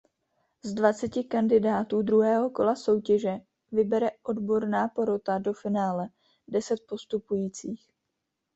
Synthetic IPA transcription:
zdvat͡sɛcɪkandɪdaːt̪uːdɾuɦɛːɦo̞ko̞laso̞wcɛʒɛ | vɪbɛɾɛʔo̞dbo̞ɾnaːpo̞ɾo̞t̪ado̞fɪnaːlɛ | dɛsɛt̪̚po̞st̪upujiːt͡siːx

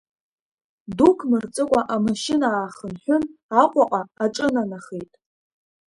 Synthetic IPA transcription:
dukʰmɨrt͡sʼɨkʷʼaʔamaʃɪnaːχənħʲʷᶣʊnaqʷʼaqʼaːʈ͡ʂʼɨnanaχejtʼ

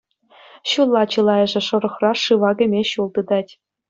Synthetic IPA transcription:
ɕulˠːɑt͡ɕɯlˠɑjɤ̆ʐɘ̆ʂɤ̆ɾɤ̆χrɑʂɯʋɑɡʲɘ̆mʲeɕulˠd̪ɯd̪ɑtʲ

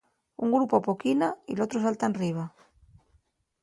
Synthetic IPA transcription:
uŋɡɾupoapokinailot̪ɾosalt̪aenriβ̞a

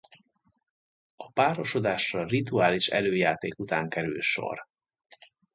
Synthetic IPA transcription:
ɒpaːɾo̞ʃo̞d̪aːʃrɒrit̪uaːliʃɛ̰løːjaːt̪eːkut̪aːŋkɛɾy̰lʃo̞̰r

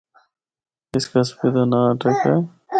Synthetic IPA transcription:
ɪskaspɪd̪anaʈəkɦɛː

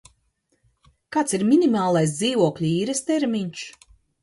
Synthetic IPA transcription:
kaːt̪siɾmʲinʲimaːlˠajs̬d̪iːvuɔkʎʲuiːɾɛst̪ɛɾmʲiɲʲʃ

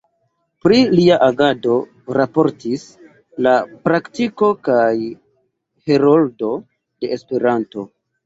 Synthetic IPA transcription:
pɾiliaʔaɡado̞ | ɾapo̞ɾtis | lapɾaktiko̞kaj | heɾoldo̞ | d̥e̞espe̞ɾanto̞

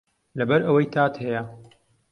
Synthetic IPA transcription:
lɐbɐɾɐwɐjt̪ʰaːt̪hɛjɐ

